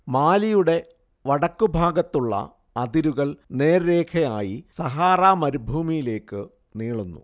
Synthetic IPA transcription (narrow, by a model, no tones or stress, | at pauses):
maːlijuɽe̞ | ʋɐɽɐkːubʱaːɡɐt̪ːuɭːɐ̰ | ɐd̪iɾuɣɐɭne̞ːɾɾe̞ːkʰɐjaːjisɐɦaːraːmɐɾubʱuːmijile̞ːkːɨ | niːɭunːṵ